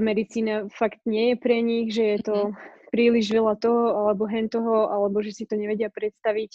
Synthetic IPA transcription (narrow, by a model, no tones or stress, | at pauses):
mɛd̪it͡siːnafakt̪ɲɪɛjɛpɾɛɲiɣʒɛjɛt̪ɔpɾiːliʒʋɛlat̪ɔɦɔalɛbɔɦɛnt̪ɔɦɔʔalɛbɔʒɛsit̪ɔɲɛʋɛɟɪapɾɛt̪st̪aʋic